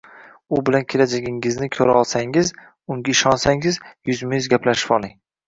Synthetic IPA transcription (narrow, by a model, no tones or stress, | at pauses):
ʊbɪlankʲʰe̞lad͡ʒaɡʲɪŋɪznɪkʲʰɵɾaɒlˠsaŋɪz | ʊŋɡʲaɪʃɒnsaŋɪzjʊzmɪjzɡʲaplaʃɪ̥pɒlˠɪŋ